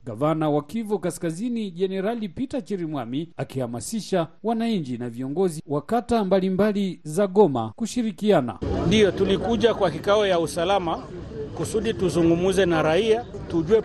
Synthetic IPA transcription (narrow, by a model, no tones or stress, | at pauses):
ɡavanawakivɔkaskaziniʄɛnɛɾalipitat͡ʃiɾimwamiakihamasiʃawanaiɲd͡ʒinaviɔŋɡɔziwakatambalimbalizaɠɔma̰kuʃiɾikiana̰ndijɔtulikuʄakwakikaɔjausalama | kusuɗituzuŋɡumuzɛnaɾaia | tuʄuɛ